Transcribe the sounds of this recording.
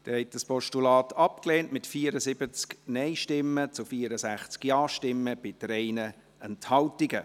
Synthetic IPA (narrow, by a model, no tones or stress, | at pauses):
d̥ɛhɛt̚d̥əspɔʃtulɑːtʰɑp̚kleːnʔmɪtfiːəɾəsɪbət͡sknɛɪʃtɪmːət͡sʊfiːəɾəsæχt͡skjɑːʃtɪmːəb̥ɪd̥ɾɛɪnə | ɛnthɑltiɡə